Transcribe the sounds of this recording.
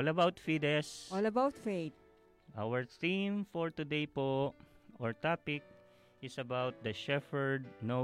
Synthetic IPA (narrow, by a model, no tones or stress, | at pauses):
ɔlɐbawt̪fid̪ɛsɔlɐbawt̪fejt̪̚ | ʔawəɹθĩmfɔɹt̪ʊd̪ejpoʔɔɹt̪apɪk̚ | ʔɪsɐbawt̪̚d̪ɐʃɛfɛɹd̪̚no